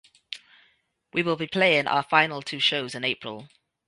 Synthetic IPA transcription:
wʔiwɪlˠbipʰl̥eɪɪ̃ŋʔa̰ʊəfãɪ̃nəlˠtʰʉːʃoʊzɪ̃neɪpʰɹə̰lˠ

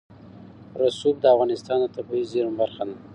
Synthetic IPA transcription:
ɾasud̪̚d̪əafɣɑnɪst̪ɑnd̪ət̪abɑizeɾumbaɾxana

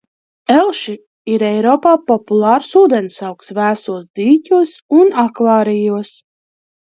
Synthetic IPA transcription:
ɛlˠʃi | iɾɛjɾɔːpaːpɔpulˠɑːɾsuːd̪ensawksvæːsuɔsd̪iːcʲuɔsunakvɑːɾijus

